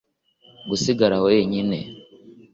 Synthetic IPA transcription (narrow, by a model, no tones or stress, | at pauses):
ɡusiɡaɾahojeɲine̞̰